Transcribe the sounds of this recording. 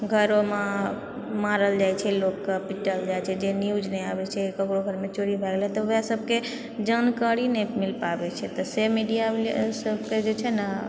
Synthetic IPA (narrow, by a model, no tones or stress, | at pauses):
ɡʱəɾoma | maɾəld͡ʒajt͡ʃʰɛlokːepiʈəld͡ʒajt͡ʃʰɛd͡ʒenjud͡ʒnɛjabɛt͡ʃʰɛkəkɾoɡʱəɾmet͡ʃoɽibʱɛɡlɛt̪ɔəjasəb̚ʱke | d͡ʒənkəɽinɛmilpabɛt͡ʃʰɛt̪ɔsemiɖijablsəbʱked͡ʒet͡ʃʰɛna